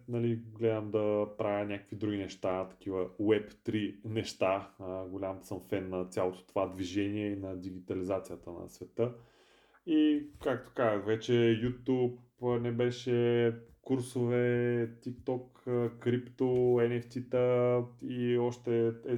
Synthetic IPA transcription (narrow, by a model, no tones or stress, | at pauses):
nɐliɡlɛd̪əmd̪ɐpɾavʲjənʲakə̥kvid̪ɾuɡʲinɛʃt̪at̪ɐ̥k̟ivəwɛpt̪ɾinɛʃt̪aɡolʲamsəmfɛnːɐt̪sʲjalˠot̪o̥t̪ovad̪viʒɛniɛinɐd̪iɡ̟it̪ɐlizat̪sijət̪ənɐ̰svɛt̪ɤ | ikak̚t̪o̥kazəxvɛt͡ʃɛjut̪ʲupnɛbɛʃɛkuɾsovɛt̪ikt̪ɔk | kɾipt̪oɛnɛft̪ʲit̪əiɔʃt̪ɛɛ